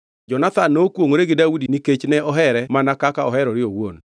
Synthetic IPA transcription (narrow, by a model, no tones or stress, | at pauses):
d͡ʒɔnat̪anːokwoŋoɾeɡɪdaudiniket͡ʃnɛʔɔɦɛɾɛmanakakaɔɦɛɾɔɾɪowo̰n